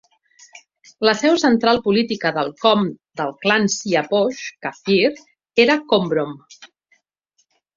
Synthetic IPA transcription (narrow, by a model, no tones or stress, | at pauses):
ləsɛwsənt̪ɾalˠpulit̪ikəðəlˠkɔmd̪əlˠklansiapɔʃkafiɾ | eɾəkombɾom